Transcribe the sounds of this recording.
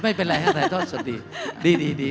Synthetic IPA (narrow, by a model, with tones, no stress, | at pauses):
ma˥˩jpe˧nɾa˧jɦaː˥˩t̪a˧˩t̪ʰɔː˥˩t̪su˨˩t̚diː˧diː˧diː˧diː˧